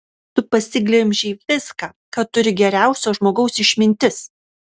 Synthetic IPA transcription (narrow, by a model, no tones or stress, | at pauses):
t̪ʊpɐsʲɪɡlʲɪmʲʒʲiːʋʲɪskɑː | kɐt̪t̪ːʊɾʲɪɡʲɛɾʲæˑʊsʲoːʒmoːɡɐʊsɪʃʲmʲɪnʲt̪ʲɪs